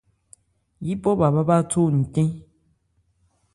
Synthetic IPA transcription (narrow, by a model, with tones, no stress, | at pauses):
ji˦pɔ˦ba˨ba˦ba˦to˦˨n̩˨tẽ˦